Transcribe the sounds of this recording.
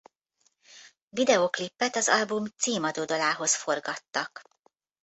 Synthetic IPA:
vid̪ɛoklipːɛt̪ɒzɒlbumt̪siːmɒd̪oːd̪ɒlaːɦo̞sfo̞rɡɒt̪ːɒk

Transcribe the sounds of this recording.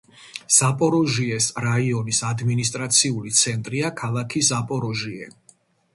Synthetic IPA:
z̥apʼɔɾɔʒiɛsɾaiɔnisad̪minist̪ʼɾat̪sʰiulit̪sʰɛnt̪ʼɾiakʰalˠakʰizapʼɔɾɔʒiɛ̰

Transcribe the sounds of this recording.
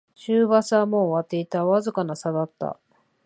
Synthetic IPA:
ɕɨːβasamoβat̪ːe̞it̪aβazɨkanasad̪at̪ːa̰

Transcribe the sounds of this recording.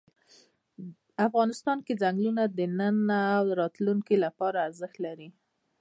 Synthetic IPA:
afɣɑnɪst̪ɑnked͡zaŋɡlunad̪ənənaːwɾɑt̪luŋkilapɑɾaːɾzɪxt̪laɾi

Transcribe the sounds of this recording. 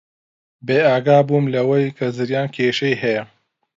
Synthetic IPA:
beːaːɡaːbuːmlɐwɐjkʰɐzɨɾjaːnkʰeːʃɐjɦɐjɐ

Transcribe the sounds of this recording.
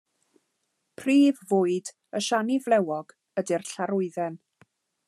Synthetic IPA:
pʰriːvvʊːɨd | əʃanivlˠɛwɔɡ̥ | ədirɬaɾʊɨðɛn

